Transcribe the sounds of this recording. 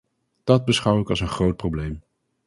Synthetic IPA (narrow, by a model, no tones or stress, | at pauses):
d̥ɑd̚bəsχʌwɪkɑlˠsənχrowt̚prowblejm